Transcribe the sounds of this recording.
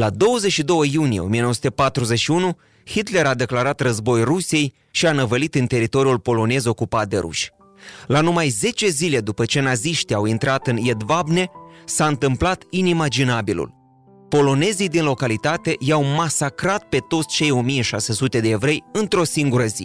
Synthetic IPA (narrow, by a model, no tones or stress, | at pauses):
lad̪o̞wəzeʃid̪o̞wəjunijeo̞mijenowəsut̪epat̪ɾuze̞ʃiunu | hit̪le̞ɾad̪e̞klaɾat̪rəzbo̞jrusije̞j | ʃianəvəlit̪ɨnt̪e̞ɾit̪o̞ɾiulpo̞lo̞ne̞zo̞kupat̪̚d̪e̞̰ɾṵʃʲ | lanumajze̞t͡ʃe̞zile̞d̪upət͡ʃe̞naziʃt̪iawint̪ɾat̪ɨnjed̪vabne̞saɨnt̪ɨmplat̪inimad͡ʒinabilṵl | po̞lo̞ne̞zid̪inlo̞kalit̪at̪e̞jawmasakɾat̪̚pe̞t̪o̞t̪sʲt͡ʃe̞jo̞mije̞ʃasesut̪e̞d̪e̞evɾe̞jɨnt̪ɾo̞siŋɡuɾəzḭ